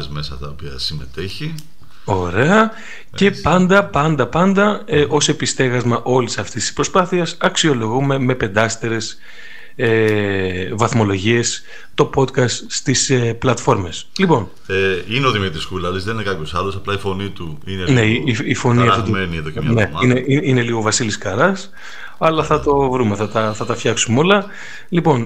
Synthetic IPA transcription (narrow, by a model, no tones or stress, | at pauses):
zme̞sɐt̪ɐopiɐ̰sime̞̰t̪eçi | o̞ɾe̞ɐ | ce̞pɐnd̪ɐpɐnd̪ɐpɐnd̪ɐeʔo̞se̞pist̪e̞ɣɐzmɐʔo̞lisɐft̪ist̪i̥spɾo̞spɐθiɐsɐksio̞lo̞ɣume̞me̞pe̞nd̪ɐst̪eɾe̞s | e | vɐθmo̞lo̞ʝie̞s | t̪o̞po̞t̪kɐst̪st̪iseplɐt̪fo̞ɾme̞slipo̞n | eineoðimit̪ɾiskulɐlizðeninekɐpço̞sɐlo̞sɐplɐifo̞nit̪u | inene̞iifo̞niɐft̪ot̪menieðocemɲɐneɐineiine̞liɣo̞vɐsiliskɐɾɐs | ɐlɐθɐt̪o̞vɾume̞θɐt̪ɐθɐt̪ɐfçɐksumeolɐ | lipo̞n